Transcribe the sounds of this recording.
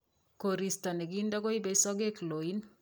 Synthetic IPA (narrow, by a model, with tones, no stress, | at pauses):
koɾi˨sta˨ne˨ɡinda˦ko˦i˦be˦sɔ˦ɡe˦kloi˦n